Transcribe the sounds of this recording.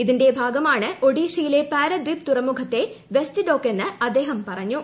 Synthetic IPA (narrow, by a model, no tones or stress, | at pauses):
iðinde̞bʱaːɡɐmaːɳɨo̞ɽiːʂɐjile̞paːɾɐd̪rip̚t̪urɐmːukʰɐt̪ːe̞ʋestɨɖoːkːe̞nːɨɐd̪ːe̞ːɦɐmpɐrɐɲːu